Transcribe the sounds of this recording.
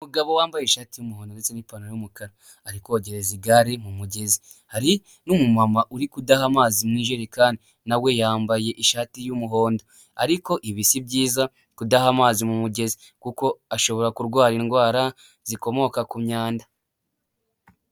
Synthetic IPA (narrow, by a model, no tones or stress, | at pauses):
umuɡaβowaːmbajeiʃaːtijumuho̞ːndondet͡senipanojumukaɾa | aɾikoɟe̞ɾeziɡaɾimumuɟe̞zi | haɾi | numumamaʔuɾikudahamaːzimniːʒeːɾiakaːndi | nawe̞jaːmbaje̞ʔiʃaːtijumuɦo̞ːndo̞ | aɾiko̞ʔiβisibɟiːza | kudahamaːzimumuɟe̞zi | kuko̞aʃo̞βo̞ɾakuɾɡwaːɾiŋɡwaːɾa | z̥iko̞mo̞kakumɲaːnda